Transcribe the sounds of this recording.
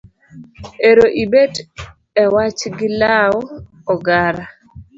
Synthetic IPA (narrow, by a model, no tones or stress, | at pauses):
eɾoʔibet | ɛwat͡ʃɡɪlawɔ | ɔɡaɾa